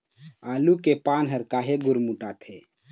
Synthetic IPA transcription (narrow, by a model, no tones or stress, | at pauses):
alukepanɦəɾkaɦeɡuɾmuʈat̪ʰe